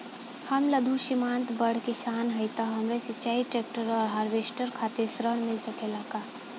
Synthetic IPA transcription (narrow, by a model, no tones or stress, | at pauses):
hɐmlɐd̪ʱuʃimãːnt̪bəɽkeʃaːnɦɐɪt̪aɦɐmɾesɪt͡ʃaːiʈɾeːk̚ʈəɾɔːɾɦaːɾʋeːsʈəɾkʰaːt̪esɾəɽ̃mɪlsɐkʰelaːkaː